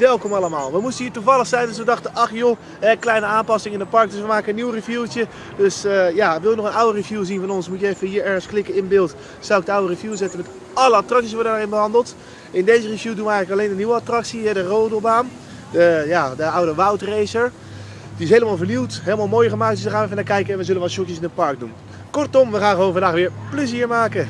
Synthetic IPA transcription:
ʋɛlˠkɔmɑləmaːlˠʋəmustənɦiːɹtuvɑlˠəχsɛjndøs̬ʋədɑχtəʔɑχjo | ɦɛklɛjnəaːmpɑsɪŋɪndəpɑɹk̚døsʋəmaːkənənːiwrivjutjə | døsjaʋɪlˠənɔχənawərivjuːzinvɑnɔnsmutjəɛfənɦiːɹɛɹχənsklɪkənɪnbɪːlˠt | z̥awɪk̚dəawərivjuːzɛtənmɛt | ɑləatrɑksisʋɔɹdədaːɹɪnbəɦɑndəlˠt | ɪndejzərivjuːdunʋəɛjɣənləkɑleːndəniwəatrɑksiɦɛdəroːdobaːm | dəjadəawdəʋʌwtrejsəɹ | d̥iɪsɦejləmaːlˠvəɹniwtɦeːləmaːlˠmoːjχəmaːktd̥sdaχaːnʋɛf̬ənakɛjkəɛnʋəzɵlənʋɔtʃɔkjəsɪnətpɑɹk̚dṵn | kɔɹtɔmʋəχaːnχəʋownvɑndaːχʋɪːɹpləziːɹmaːkə

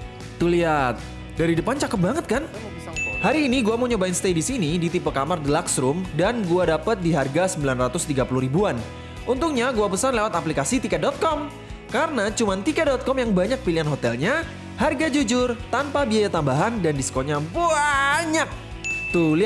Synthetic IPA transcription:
t̪uliat̪̚ | daɾidəpant͡ʃakət̪p̚baŋət̪̚kan | haɾiːniɡuamoɲobaɪnst̪ejdisinidit̪ipəkamardəlaksɾʊmdanɡuadapət̪̚diɦarɡasəmbilanrat̪ʊst̪iɡapuluhɾibuan | ʔunt̪ʊŋɲaɡuapəsanlewat̪aplikasit̪ikɛdɔt̪̚kɔm | kaɾənat͡ʃumant̪ikɛdɔt̪̚kɔmjaŋbaɲak̚piliɦanɦot̪ɛlɲa | harɡad͡ʒud͡ʒʊrt̪anpabiajat̪ambaɦandandisə̥koɲabaaɲak̚ | t̪uli

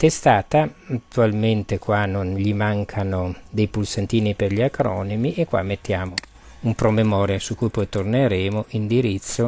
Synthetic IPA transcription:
t̪est̪aːt̪aːt̪ːualment̪ekwanonʎimaŋkʰanod̪ejpulsant̪iːniperʎiakɾɔ̰ːnemiʔekːwa̰mːet̪ːjaːmo | umpɾomemɔːɾjasukːujpɔjt̪orneɾeːmoʔind̪iɾit̪sːo

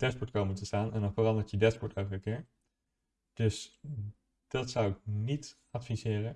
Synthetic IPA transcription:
dɛspɔɹtkowməntəstaːnɛndɑnfərɑndəɹtjədɛspɔɹtɛwəəkɪːɹ | d̥ɵs | d̥ɑtsʌwɪk̚nit | ɑtfizɪːrə

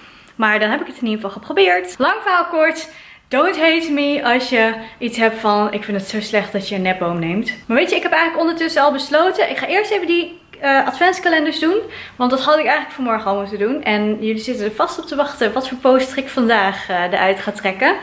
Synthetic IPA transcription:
maːɹdɑnɦɛpɪkətɪnifɑlˠχəprobɪːɹtlɑŋfawkɔɹt | d̥owntɦejtmiɑlˠsjəitsɦɛptfɑnɪ̰kfɪntətsowslɛχt̚d̥ɑtjəənːɛbomnejmtmaɹʋejtjəɪkɦɛpɛjənləkɔndəɹtɵsəɑlˠbəslowtənʔɪkχaːʔɪːɹstejvəndi | əʔɑdfɛnskalɛndəɹszdun | ʋɑntdɑtɦɑdɪkɛjxələkfɔnmɔɹχəɔlˠmutədunʔɛnjɵlizɪtədəɹvɑstɔp̚təʋɑχtəʋɑtfoːɹpowstəχɪkfɑndaːχdə̰ɹʔœɥtχaːtrɛkə

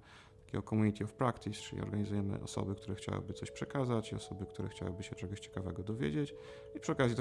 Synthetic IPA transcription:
t̪ḁkʲɛ̰ɡɔkɔmuɲit̪ʰʲiɔfpɾakt̪ist͡ʂɘlʲḭɔ̰ɾɡaɲizujɛnɛ̰ʔɔsɔ̰bɘkt̪uɾɛxt͡ɕa̰wɘ̰bɘt̪sɔɕpʂɛkazat͡ɕiɔ̰sɔbɘkt̪uɾɛ̰xt͡ɕa̰wɘ̰bɘɕɛt͡ʂɛɡɔɕt͡ɕɛ̥kavɛɡɔd̪ɔvʲjḛd͡ʑet͡ɕ | ipʂɨɔkazjit̪

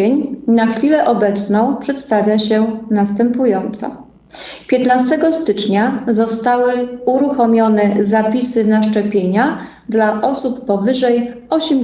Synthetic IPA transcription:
eɲnaxfʲilɛʔɔbɛt̪snɔ̃w̃pʂɛt̪st̪avʲjaɕɛnast̪ɛmpujɔnt̪sɔ̰ | pʲjɛt̪nast̪ɛɡɔst̪ɘt͡ʂɲazɔst̪awɘuɾuxɔmʲjɔnɛzapʲisɘnaʂt͡ʂɛpʲjeɲa | d̪laʔɔsupːɔvɘʐɛjɔɕɛm

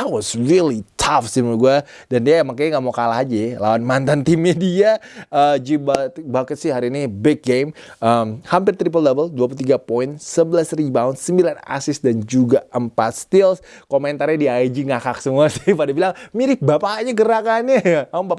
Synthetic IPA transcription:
at̚wɔsɾilit̪ʰafsimaɡua | dandiaamakajŋaʔmokalaɦad͡ʒalawanmant̪ant̪imediaəd͡ʒibabakət̪̚sɪhaɾiːnibɛk̚ɡem | əmhampɪrt̪ɾip̬əldɛvəlduap̬ulut̪iɡapɔɪnsəbəlasɾid͡ʒut̪aʊnsəmbilana̰sɪsdand͡ʒuɡaʔəmpat̪̚st̪ɪlskomɛnt̪arɲadiajd͡ʒiŋakak̚səmuasɪhpadabilaŋmiɾɪhbapaɲaɡəɾakanɲajaubapa

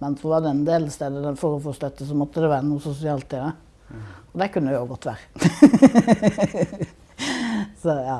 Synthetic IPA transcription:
mɛnsɔʋɑɖɛɛnd̪eːlst̪eːd̪əd̪ɛnfɔɾʊfɔst̪œt̪ːəsɔmɔt̪ːəd̪ɛʋæːɾənuːsʊsʊɪɑːlt̪id̪ə | ɔd̪ɛkʰʉnːəʊɡɔt̪ːʋæ̰ːɾə | sɔjɑː

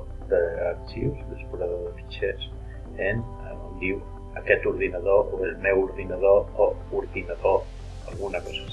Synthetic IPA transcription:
d̪əːk̚t̪iwsd̪əspuɾaðoðəfi̥t͡ʃes | en | und̪iw | əkɛt̪uɾðinəðoʔoelmɛwuɾðinaðoouɾðinəðo | əlˠɣunəkɔzə

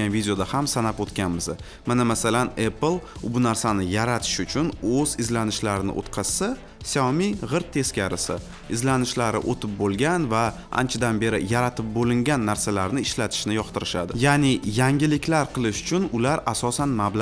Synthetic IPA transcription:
anvid̪ʲejo̞d̪ahamsanapot̪kʲanmɪzɪ | manamasalaneplˠbʊnaɾsanɪjaɾat̪ʰɪ̥ʃʊt͡ʃʰʊnozɪzlanɪʃlaɾɪnɪ̰ʔo̰t̪qʰɑsːa | sɒmiʁɨɾt̪ʰːe̞skʲaɾɪsɪ̰ | ɪzlanɪʃlaɾɪ̰ʔot̪ʰɪp̚bolˠɡʲanva | a̰nt͡ʃʰad̪anbe̞ɾɪjaɾat̪ʰɪp̚bolɪŋɡʲanːaɾsalaɾnɪɪʃlat̪ʰɪ̥ʃnɪjɒqt̪ɪɾɪʃad̪ɪjanɪjaŋɡʲɪlɪkʲlaɾqʰɨlˠɪʃʊ̥t͡ʃʰʊnʊlaɾasɒsanmabla

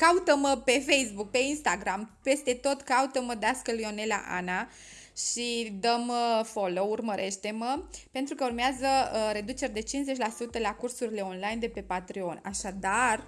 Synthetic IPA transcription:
kaut̪əməpe̞fe̞jsbuk̚pe̞inst̪aɡɾampe̞st̪e̞t̪o̞t̪kaut̪əməd̪easkəlio̞ne̞la̰ʔa̰na | ʃid̪əməfo̞lo̞urməɾʔe̞ʃt̪e̞məpe̞nt̪ɾukəurmeazəɾe̞d̪ut͡ʃe̞ɾd̪e̞t͡ʃinze̞t͡ʃʲlasut̪əlakursuɾile̞o̞nlajnd̪e̞pe̞pat̪ɾio̞nʲaʃad̪ar

